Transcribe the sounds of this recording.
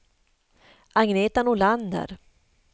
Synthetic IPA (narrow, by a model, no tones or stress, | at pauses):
ʔaŋneːt̪anʊland̪ə̰ɾ